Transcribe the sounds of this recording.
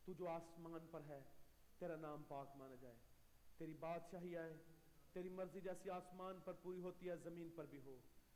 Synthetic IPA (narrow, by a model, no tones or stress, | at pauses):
t̪ud͡ʒoːaːsmaːnpɐɾɦɛː | t̪eːɾanãːmpaːkmaːnad͡ʒaːeː | t̪eːɾibaːd̪ʃaːɦiaːe | t̪eːɾimɐɾzid͡ʒɛːsiaːsmaːnpɐɾpuːɾiɦoːt̪iaːzɐmĩːnpɐɾbʱiɦoː